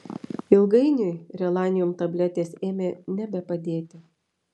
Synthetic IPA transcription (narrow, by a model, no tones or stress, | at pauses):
ɪlˠɡɐɪnʲʊɪɾʲɛlˠɑːnʲɪjɔmt̪ɐbʲlʲɛt̪ʲeːseːmʲeːnʲɛbʲɛpɐd̪ʲeːt̪ʲɪ